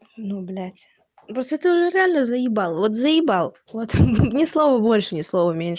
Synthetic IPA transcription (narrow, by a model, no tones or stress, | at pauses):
nublʲæt̪ʲ | pɾosʲɪt̪ɨʊʐɛɾʲɪalʲnəzəjɪbalˠvot̪zəjɪbalˠvot̪nʲɪslˠovəbo̞lʲʂɨnʲɪslˠo̞vəmʲenʲ